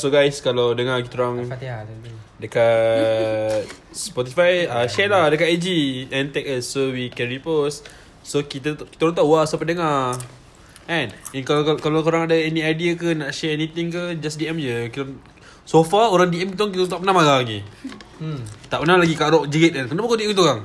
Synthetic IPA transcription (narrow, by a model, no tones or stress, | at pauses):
soɡajskalawdəŋakit̪ɾaŋ | dəka | t̪̚ | spɔt̪̬ifajaʃɛlahdəkaʔad͡ʒiɛ̃nt̪ɛk̚əsowikɛɹipɔs | sokit̪ki̥t̪aəɾaŋt̪aʔwasapədəŋa | ɛ̃nɛnkakalokoɾaŋadaɛnĩajdiakənaʔʃɛɛnit̪iŋkəd͡ʒasdiɛmd͡ʒəkit̪ | sofaoɾaŋdiʔɛmkit̪aŋkit̪at̪aʔpənahmalaɡi | t̪aʔpənalaɡikaʔɾɔʔd͡ʒiɡet̪̚ankənapakodiʔɛmkit̪uoɾaŋ